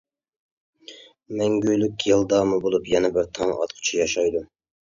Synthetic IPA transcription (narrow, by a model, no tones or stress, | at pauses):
mɛŋɡʲøjlykʲjelˠd̪ɑːmɨbolˠupjɛnɛbɪɾt̪ʰɑŋɑ̰t̪qʰʊ̥t͡ʃʰijɑʃɑjd̪u